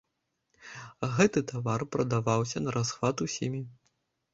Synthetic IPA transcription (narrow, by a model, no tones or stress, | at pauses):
ɣɛt̪ɨt̪avarpɾɐd̪avawsʲɐnɐɾʔasxvat̪usʲimʲi